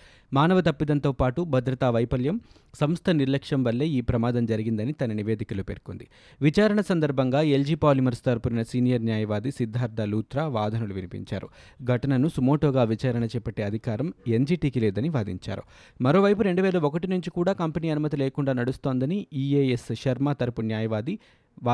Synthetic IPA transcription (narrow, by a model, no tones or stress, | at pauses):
maːnɐʋɐt̪ɐpːid̪ɐnt̪oːpaːʈubʱɐd̪ɾɐt̪aːʋɐjpɐljɐm | sɐmst̪ʰɐniɾlɐkʂɐmʋɐlːe̞ːiːpɾɐmaːd̪ɐmd͡ʒɐɾiɡind̪ɐnit̪ɐnɐniʋe̞ːd̪ikɐluːpe̞̰ɾko̰nd̪i | ʋit͡ʃaːɾɐɳɐsɐnd̪ɐɾbʱɐŋɡaːeld͡ʒiːpaːlimɐɾst̪aːɾpuɾinɐsiːnijɐɾnjaːjɐʋaːd̪isid̪ʱːaːɾd̪ʱɐluːt̪ɾaːʋaːd̪ʱɐnuluʋinipḭɲt͡ʃa̰ːɾṵ | ɡʱɐʈɐnɐnusumoːʈoːɡaːʋit͡ʃaːɾɐɳɐt͡ʃɛːpɐʈːeːɐd̪ʱikaːɾɐmend͡ʒiːʈiːkileːd̪ɐniʋaːd̪ḭɲt͡ʃa̰ːɾṵ | mɐɾo̞ːʋɐjpuɾe̞ɳɖuʋeːlɐokɐʈinuɲt͡ʃikuːɽaːkɐmpeniːɐnumɐt̪̬ileːkuɳɖaːnɐɽust̪o̞ːnd̪ɐniiːeːesʃɐɾmaːt̪ɐɾpunjaːjɐʋaːd̪i | ʋa